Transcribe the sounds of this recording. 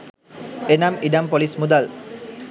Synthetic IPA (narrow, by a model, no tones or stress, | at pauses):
enamiɖampolismud̪al